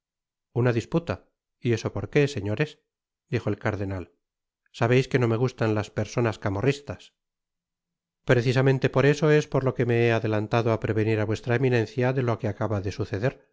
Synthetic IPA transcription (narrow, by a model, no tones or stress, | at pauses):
unaðisput̪a | ie̞so̞po̞ɾke̞se̞ɲo̞ɾe̞s | d̪ixoelkaɾðe̞nal | saβejske̞no̞me̞ɣ̞ust̪anlaspe̞ɾso̞naskamo̞rist̪as | pɾeθisamẽ̞nt̪e̞po̞ɾe̞so̞e̞spoɾlo̞ke̞me̞eaðe̞lant̪aðoapɾe̞βe̞niɾaβwe̞st̪ɾaeminẽ̞nθjaðe̞loakeakaβaðe̞suθe̞ðe̞ɾ